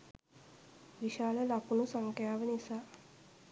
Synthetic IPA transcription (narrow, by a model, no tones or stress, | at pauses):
ʋiʃaːləlɐkunusɐŋkjaːʋənisa